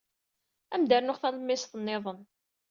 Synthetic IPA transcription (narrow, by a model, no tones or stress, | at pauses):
æmd̪əɾnʊʁθæləmːɪsθənːeðˤən